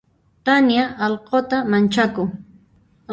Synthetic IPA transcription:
t̪anjaʔːlqot̪amant͡ʃakʊ

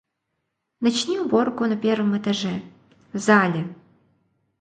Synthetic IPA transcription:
nɐt͡ɕnʲiubɔrkʊnɐpʲɛrvɨmɛt̪ɐʐɛ | zalʲɛ

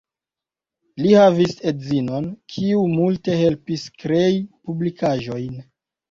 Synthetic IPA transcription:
lihavisedzino̞nkʰiumulte̞he̞lpiskɾe̞jipublikaʒo̞jn

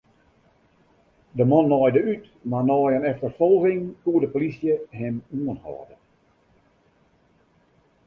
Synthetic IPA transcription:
dəmɔnːɔjdəyt | manɔjənɛftərfolˠɣɪŋkuədəpolisjəɦɪmuənhɔ̰ːdə

